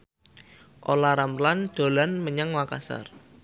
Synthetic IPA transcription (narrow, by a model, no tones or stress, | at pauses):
ʔolaɾamland̪̥o̤lanməɲaŋwaka̰sa̰r